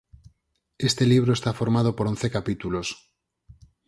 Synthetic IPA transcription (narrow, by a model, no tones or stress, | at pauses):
est̪eliβ̞ɾoest̪afoɾmað̞opoɾonθekapit̪ulos